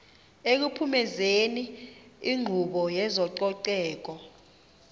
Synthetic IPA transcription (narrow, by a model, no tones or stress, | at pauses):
ek̬upʰumɛzeniiŋ͡ǃʱuɓɔjɛzɔǀɔǀɛːk̬ɔ